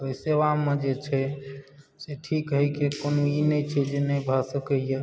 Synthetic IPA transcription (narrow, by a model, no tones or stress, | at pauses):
oiseʋamẽd͡ʒet͡ʃʰɛ | seʈʰikɦəjkekonoinɛt͡ʃʰɛd͡ʒenɛbʱasəkəije